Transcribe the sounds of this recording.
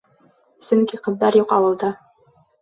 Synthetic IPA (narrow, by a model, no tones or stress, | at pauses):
sɵŋkiqɤ̆ðːɑɾjuqɑwɤ̆lˠd̪ɤ